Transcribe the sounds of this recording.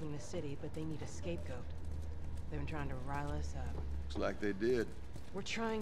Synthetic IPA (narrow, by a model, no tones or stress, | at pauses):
vɪ̃ŋnɨsɪɾibʌt̪̚ðeɪniɾɨskeɪp̚ɡ̥oʊt̚ | ðeɪbɨ̃ntʰɹ̥aɪɪ̃ŋtʰɨɹaɪlˠʌsʌpslaɪk̚ðeɪdɪd̥̚ | wə˞tʰɹ̥aɪɪ̃